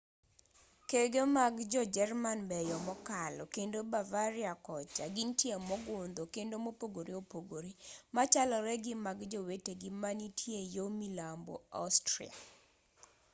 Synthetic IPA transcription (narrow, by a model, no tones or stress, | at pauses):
keɡemaɡd͡ʒɔd͡ʒɛrmanbɛjɔmɔkalɔkendobavaɾiakɔt͡ʃaɡintjemɔɡʊnd̪okendomopoɡoɾiopoɡoɾimat͡ʃalɔɾɛɡɪmaɡd͡ʒoweteɡɪmanitʰjejomilambo̰a̰ʊstɾḭa̰